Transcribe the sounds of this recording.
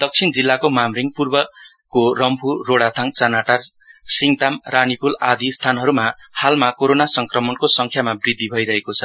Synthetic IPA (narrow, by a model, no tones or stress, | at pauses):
d̪ʌk̚t͡sʰind͡zilːakomamriŋpurbʌ | korʌmpʰuːoɽat̪ʰaŋt͡sanaʈar | siŋt̪amranipulad̪ist̪ʰanɦʌɾumahalmakoɾonasʌŋkrʌmʌnkosʌŋkʰjamabrid̪ʱːibʱʌiɾʌɦekot͡sʰʌ